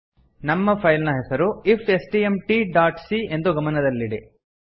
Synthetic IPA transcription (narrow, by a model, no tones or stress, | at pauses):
nɐmːɐpʰɐjlnɐɦɛsɐɾuipʰesʈiːemʈiɖaːʈsie̞nd̪uɡɐmɐnɐd̪ɐlːiɽi